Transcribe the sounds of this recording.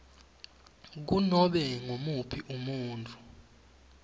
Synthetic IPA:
k̬unɔɓɛŋomupʰiʔumuːntʼu

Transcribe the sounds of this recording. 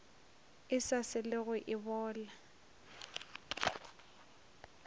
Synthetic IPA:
ɪsasɪlɪɣʊʔɪbɔːla

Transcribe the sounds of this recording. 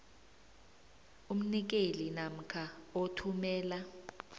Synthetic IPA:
um̩nik̬elinam̩kʰaotʰumɛːla

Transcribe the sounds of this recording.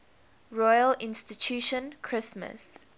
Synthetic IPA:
ɹɔjəlɪ̃nstitʰuʃə̃nkʰɹɪsmə̰s

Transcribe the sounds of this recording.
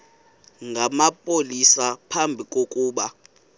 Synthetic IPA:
ŋɡʱamapʼolisapʰambʱikʼokʼuːɓa

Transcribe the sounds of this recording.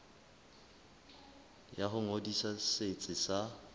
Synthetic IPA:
jaχʊŋodisaset͡sʼɪsa

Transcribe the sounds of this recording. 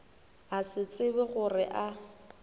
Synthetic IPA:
asɪt͡sʼɪbɪɣʊrɪʔa

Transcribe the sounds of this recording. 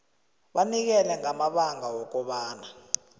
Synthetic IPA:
ɓanik̬ɛlɛŋamaɓaŋawɔk̬ɔɓaːna

